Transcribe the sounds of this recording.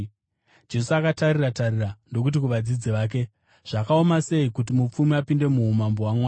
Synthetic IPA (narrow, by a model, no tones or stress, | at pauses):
d͡ʒe̞suakataɾiratarirando̞k̬ut̬ikuʋad͡zid͡ziʋaːk̬e̞ | ʐ̥akao̞mase̞ikutimup͡fumiapinde̞muɦumamboɦwamwaː